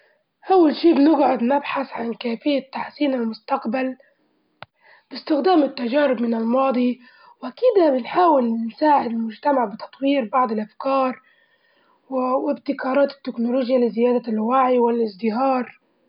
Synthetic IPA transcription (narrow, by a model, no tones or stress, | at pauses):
ʔawːalʃiːbɪnɪɡʕʊd̪nabħaθʕankaːfɪjːat̪ːaħsiːnalmʊst̪aqbal | b̥ɪst̪ɪxd̪aːmɪt̪ːaʒaːɾɪbmɪnɪlmɑːd̪ˤi | wʔakiːd̪abɪnħaːwɪlnsaːʕɪd̪ɪlmʊd͡ʒt̪amaʕbɪt̪ɑ̥t̪ˤwiːɾbɑʕd̪ˤɪlʔafkɑːɾˤ | wɪbt̪ɪkɑːɾˤɑːt̪ɪ̥t̪ːɪknʊloːʒjalɪzɪjaːd̪alwaʕiwɪlʔɪzd̪ɪɦɑːɾˤ